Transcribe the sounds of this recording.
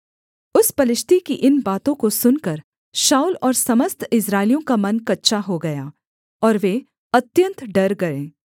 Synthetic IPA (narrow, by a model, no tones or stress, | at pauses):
ʊspɐlɪʃt̪ikiʔɪnbaːt̪õkosʊnkɐɾ | ʃaːulɔːɾsɐməst̪ʰɪsɾaːɪlijõkamɐnkɐtːʃʰaɦoɡɐjaː | ɔːɾʋeː | ɐt̪jə̃nt̪ɖɐɾɡɐɾẽː